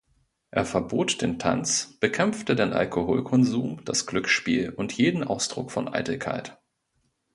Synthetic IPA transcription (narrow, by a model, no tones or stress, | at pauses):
ʔeːɐfɛɐboːtd̥eːntʰa̰nt͡sb̥əkʰɛmftədeːnʔa̰lkʰoho̰ːlkʰɔnzuːmd̥asɡ̥lʏksʃpḭːlʔʊntjeːdn̩ʔa̰ʊsd̥ʁ̥ʊ̰kfɔ̰nʔa̰ɪtl̩kʰa̰ɪt